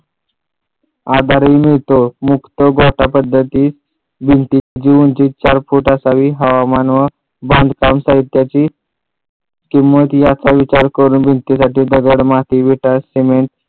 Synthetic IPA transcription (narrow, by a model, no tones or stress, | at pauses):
ad̪ʱaɾimiɭt̪omukt̪oɡɔʈapəd̪ʱːət̪iːs | bʱint̪id͡ʑiunt͡ɕiːt͡ɕaɾfuʈasaʋiːɦəʋamanʋə | bãnd̪kamsaɦit̪jat͡ɕiː | kimːət̪jat͡saʋit͡ɕaɾkəɾuːnbʱint̪isaʈiːd̪əɡəɽmat̪iʋiʈasimeɳʈ